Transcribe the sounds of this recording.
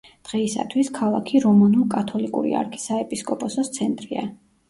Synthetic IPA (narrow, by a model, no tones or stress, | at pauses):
d̪̥ʁɛisa̰t̪ʰwiskʰalˠa̰kʰiɾɔmanulˠkʼat̪ʰɔlikʼṵɾḭa̰ɾkʰi̥saɛpʼiskʼɔpʼɔsɔst̪sʰɛnt̪ʼɾia̰